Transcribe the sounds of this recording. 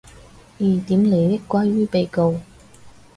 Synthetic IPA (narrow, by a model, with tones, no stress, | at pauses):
iː˨˩t̪iː˨˥mle˨˧jt̪ɪ˥kʷːwaː˥jɥyː˥pe˧jko˨˧w